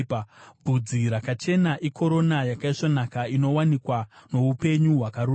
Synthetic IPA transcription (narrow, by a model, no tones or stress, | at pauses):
bʱud͡ziɾakat͡ʃe̞naʔikʰo̞ɾo̞najakaiʂonakaino̞wanikwano̞upe̞ɲuɦwakaɾuː